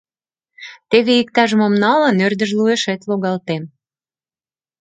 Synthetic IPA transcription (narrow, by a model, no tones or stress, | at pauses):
t̪eβeik̚t̪ɑʒəməmnɑlə̆nørd̪ə̆ʒlueʃet̪loɣɑlt̪em